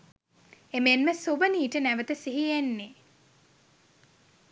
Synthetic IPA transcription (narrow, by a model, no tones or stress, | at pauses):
emenməsobəniːʈənæʋət̪əsiɦijenːe